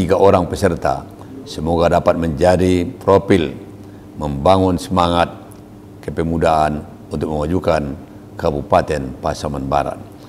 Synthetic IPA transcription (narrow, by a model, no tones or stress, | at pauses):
iɡaʔoɾaŋpəsərt̪a̰ | səmoɡadapat̪̚məɲd͡ʒadipɾopil | məmbaŋunsəmaŋat̪̚ | kəpɛmudaan | unt̪ʊk̚məmad͡ʒukan | kabupat̪ɛnpasamanba̰ɾa̰t̪̚